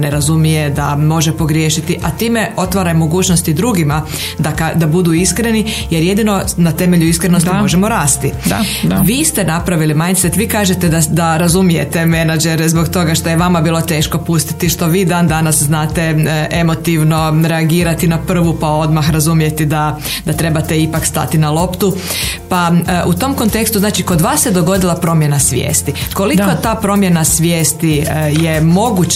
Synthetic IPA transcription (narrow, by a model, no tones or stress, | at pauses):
ne̞ɾazumije̞d̪amo̞ʒepo̞ɡɾjeːʃit̪iʔat̪iːme̞o̞t̪ʋaɾajmo̞ɡuːt͡ʃnost̪id̪ɾuɡima | d̪akad̪abud̪uiskɾe̞nijeɾje̞d̪ino̞nat̪e̞me̞ʎuiskɾenosmo̞ʒe̞mo̞ɾaːst̪iaʋist̪e̞napɾaʋilimajnt̪set̪ʋiːkaːʒet̪e̞d̪ad̪aɾazumije̞t̪e̞me̞nad͡ʒeɾɛzbo̞kt̪o̞ɡaʃt̪o̞jeʋamabiːlˠo̞t̪e̞ːʃko̞pust̪i̥t̪iʃt̪o̞ʋiːd̪and̪anasznaːt̪e̞ʔe̞mo̞t̪iʋno̞ɾeaɡiːɾat̪inapr̩ʋupao̞d̪maxɾazumije̞t̪id̪a | d̪at̪ɾe̞bat̪eipakst̪a̰t̪inalˠo̞pt̪u | paʔut̪o̞mko̞nt̪e̞kst̪uznaːt͡ʃiko̞d̪ʋaːsjed̪o̞ɡo̞d̪ilˠapɾo̞mje̞nasʋjḛːst̪iko̞likot̪aːpɾo̞mje̞nasʋʲjeːst̪ijemo̞ɡut͡ɕ